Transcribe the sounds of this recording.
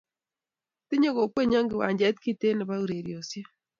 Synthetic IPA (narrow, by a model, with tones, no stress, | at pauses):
ti˦ɲo˦ɣo˨kwe˦ɲa˦ŋɡe˨wa̰ː˨ɲɟa˦ti̥ki˦te˦ne˨βa˦uɾe˨ɾjosja˦